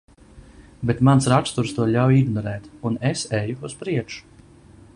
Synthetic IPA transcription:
bet̪mansɾak̪t̪uɾst̪uɔʎʲawiɡnɔɾɛːt̪unesɛjuuspɾiɛkʃu̥

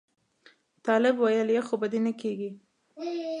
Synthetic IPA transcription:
t̪ɑlɪbwajəljexobad̪enəkeɡi

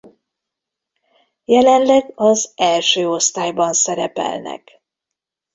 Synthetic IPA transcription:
jɛlɛnlɛɡɒzɛlʃøːo̞st̪aːjbɒnsɛɾɛpɛ̰lnɛ̰k

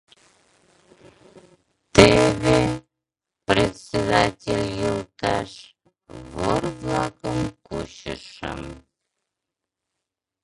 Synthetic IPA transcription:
t̪ebʲe | pɾʲet̪sʲed̪atʲelʲjəlˠt̪ɑʂ | vorvlˠakəmkuɕə̰ʂə̰m

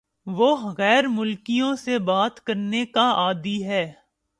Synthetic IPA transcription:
ʋoɣɛːɾmʊlkijõsebaːt̪kɐɾnekaaːd̪iɦɛː

